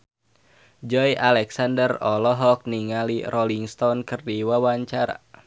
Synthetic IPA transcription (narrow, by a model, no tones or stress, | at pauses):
d͡ʒɔjʔalɛksandərɔlɔɦɔk̚niŋalirɔliŋst̪ɔnkɨrdiwawaɲt͡ʃaɾa̰